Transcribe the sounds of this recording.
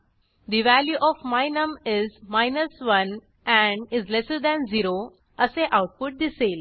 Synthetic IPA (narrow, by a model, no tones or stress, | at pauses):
d̪iʋæljuʔɔfmaɪnəmɪzmaɪnəsʋʌ̃n | æ̃ɳɖɪzlesəɾd̪æ̃nziɾo | əseʔaʊʈ̚pʊʈ̚d̪iseːl